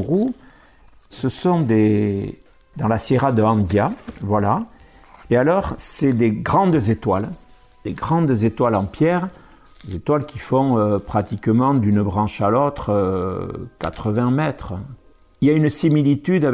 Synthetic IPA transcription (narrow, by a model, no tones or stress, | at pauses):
ʁu | səsɔ̃d̪e | d̪ɑ̃laseʁad̪əɑ̃d̪javwala | ealɔʁsɛd̪eɡʁɑ̃d̪zet̪wal | d̪̥eɡʁɑ̃d̪zet̪walɑ̃pjɛʁ | d̪ezet̪walkʲifɔ̃øpχat̪ikəmɑ̃d̪ynbʁɑ̃ʃalot̪χə | ka̰t̪χəvɛ̃mɛt̪χə | iljaynsimilit̪yd̪a